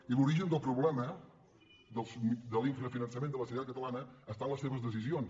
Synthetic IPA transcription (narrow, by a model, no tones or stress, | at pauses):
iluɾiʒənd̪əlˠpɾuβlɛmə | d̪əlˠsmd̪əlˠiɱfɾəfinənsəmend̪ələsut̪at̪̚kət̪əlanəːst̪anləseβəzðəs̬izions